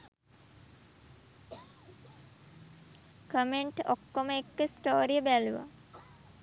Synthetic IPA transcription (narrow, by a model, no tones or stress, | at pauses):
kəmeɳʈokːoməekːəsʈoːɾijəbæluʋa̰